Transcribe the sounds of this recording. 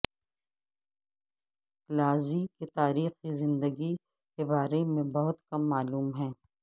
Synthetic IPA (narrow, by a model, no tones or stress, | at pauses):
klaːziket̪aːɾiːxizɪ̃nd̪əɡi | kebaːɾemẽbɐɦʊt̪kɐmːaːluːmɦɛ̃ː